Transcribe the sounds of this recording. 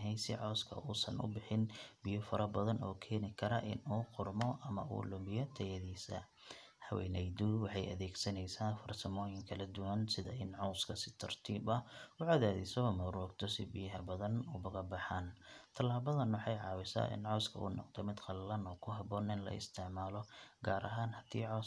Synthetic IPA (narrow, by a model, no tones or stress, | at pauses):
ɦɛjsɪʕɔːskʰɐ̰uːsɐnʊ̰bɪħɪnbɪjɔfɐɾɐbɐðɐnɔːkʰɛːnɪkʰɐɾɐʔɪ̰nuːqʊrmɔʔɐmɐʔṵːlʊmbɪjɔt̪ʰɐjɐðiːsɐ̰ | hɐwɛ̰ːnɛjd̪uwɑħɑjɐ̰ðɛːɡsɐnɛjsaːnfɐrsɐmɔːjɪŋkʰɐlɐd̪ʊwɐnsɪðɐɪnʕɔwskʰɐsɪ̥t̪ʰɐrt̪ʰiːbɐʊʕaðaːðɛsɔmɐɾɔːɡt̪ʰɔsɪbɪjɦɐbɐðɐnʊbɐɣɐbɐħaːnt̪ʰɐlaːβɐðɐnwɑħɑjʕɑːwɪsa̰ːʔɪ̰nʕɔwskʰɐṵːnɔ̰qt̪ʰɔmɪd̪qɑllɐnɔːkʰʊɦɐbɔːnɪnlɐ̰ɪ̰st̪ʰɪʕmaːlɔɡaːɾʔɐɦaːnhɐt̪ʰḭːʕɔ